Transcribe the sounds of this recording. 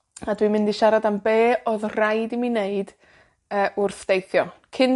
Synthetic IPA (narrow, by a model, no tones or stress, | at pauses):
adwimɪndiʃaɾadambeːɔðrajdimineɨd̥ | əːʔʊrθd̥ejθjɔkʰɪn